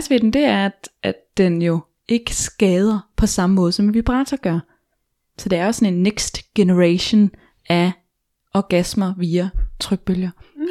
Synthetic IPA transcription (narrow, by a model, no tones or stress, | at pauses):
sʋed̥m̩d̥e̝æɐæd̥ʔædd̥enjo̝ | e̝ɡ̥əsɡ̥ɛːð̞ˠɐpʰɒ̽sɑ̈məmɔ̽ːð̞ˠsɒ̽mʋib̥ʁɑ̈ːt͡sʰɐɡ̥ɶɐ | sɒ̽d̥e̝æɐjosɒne̝nːeɡ̥sd̥ɡ̥e̝nəʁæɕon | æ | ʔɒɡ̥æsmɐʋiːæt͡sʰʁœɡ̥̚b̥øljɐ